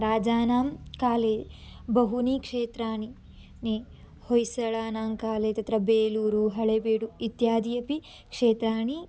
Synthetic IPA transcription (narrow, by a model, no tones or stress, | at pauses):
ɾaːd͡ʒaːnaːmkaːleːbɐɦuniːkʂeːt̪ɾaːɳi | ni | hojsɐɭaːnaːmkaːleːt̪ɐt̪ɾɐbeːluːɾuɦɐɭebeːɽuit̪jaːd̪ijɐpi | kʂeːt̪ɾaːɳi